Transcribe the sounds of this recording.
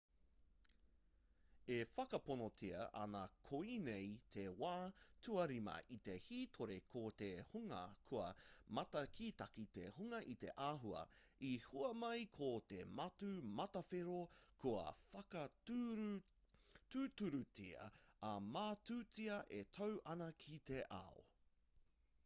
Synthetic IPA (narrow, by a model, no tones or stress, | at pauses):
efɐkɐponotʰiɐ̰ʔɐ̰nɐkʰoinejt̪ʰewaːtʰuɐɾimɐ̰ʔit̪e̞hiːt̪ʰoɾekʰot̪ehuŋɐ̰kʰuɐmɐt̪ɐkʰiːt̪ɐkit̪ḛhuŋɐʔit̪e̞̰ʔaːɦuɐ̰ | ihuɐmɐjkʰot̪emɐtʉmɐtɐfeɾokʰuɐ̰fɐkɐ | tutuɾutʰiɐ̰ɐmaːtʉːt͡siɐʔetʰowʔɐnɐkʰit̪eʔa̰o̰